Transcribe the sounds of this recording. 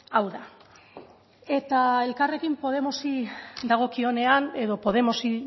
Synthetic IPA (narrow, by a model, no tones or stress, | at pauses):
awða | e̞t̪ae̞lkare̞kimpo̞ð̞e̞mosid̪aɣ̞o̞kio̞ne̞ane̞ðo̞po̞ð̞e̞mosi